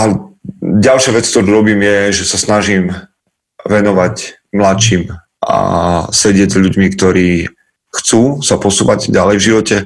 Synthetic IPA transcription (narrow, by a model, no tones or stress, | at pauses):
a | ɟalʃɪaʋɛt͡skt̪ɔɾuːɾɔbiːmjɛʒɛsasnaʒim | ʋɛnɔʋac | mlat͡ʃim | ʔa̰sɛɟɪɛɟzʎuɟmikt̪ɔɾiː | xt͡suːsapɔsuːʋaɟɟalɛjvʒiʋɔcɛ